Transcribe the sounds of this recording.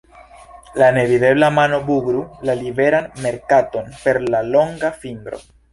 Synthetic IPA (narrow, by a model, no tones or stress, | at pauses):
lane̞vide̞blamano̞buɡɾulalibe̞ɾanme̞ɾkato̞npe̞ɾlalo̞ŋɡafiŋdɾo̞̰